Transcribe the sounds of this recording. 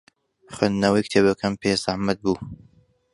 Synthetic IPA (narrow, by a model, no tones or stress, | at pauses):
χwend̪nɐwɐjkt̪ʰeːbɐkʰɐmpʰezahmɐd̪̚buː